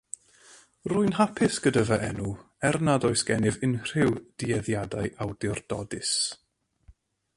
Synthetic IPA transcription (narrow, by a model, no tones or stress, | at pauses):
rʊɨnɦapʰɪsɡ̥ədəvaʔɛnu | ɛrnadɔɨsɡ̥ɛnɪvɪnr̥ɪwd̥iɛðjadaɨʔawdɪrdɔ̰dɪs